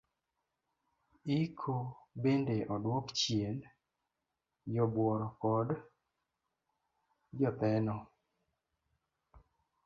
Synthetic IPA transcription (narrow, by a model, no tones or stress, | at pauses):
ikʰobendeʔɔdwɔkt͡ʃjel | jɔbwɔɾɔkɔd | d͡ʒɔt̪ɛnɔ